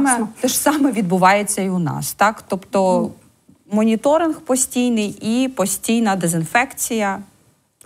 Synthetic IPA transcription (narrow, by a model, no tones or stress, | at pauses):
ɛt̪ɛʃsɑmɛʋʲid̪bʊʋɑjet͡sʲːɐiʊnɑ̰st̪ɑkt̪ɔpt̪ɔ | mɔnʲit̪ɔɾɪnxpɔsʲtʲijnɪjipɔsʲtʲijnɐd̪ezɪnfɛkt͡sʲijɐ